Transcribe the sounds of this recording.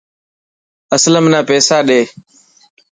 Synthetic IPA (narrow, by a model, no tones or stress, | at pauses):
əsləmnãːpeːsaːɗeː